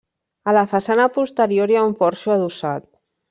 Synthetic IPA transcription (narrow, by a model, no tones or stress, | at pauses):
alafasanapust̪əɾjoɾjaumpɔɾʃuaðusat̪̚